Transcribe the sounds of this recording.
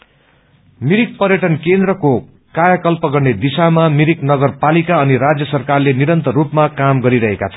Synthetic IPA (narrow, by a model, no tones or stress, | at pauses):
miɾik̚pʌrjʌʈʌnkend̪rʌko | kajʌkʌlpʌɡʌrned̪isamamiɾiknʌɡʌrpalikaʌniɾad͡zjʌsʌrkarleniɾʌnt̪ʌrupmakamɡʌɾiɾʌɦeka̰t͡sʰʌn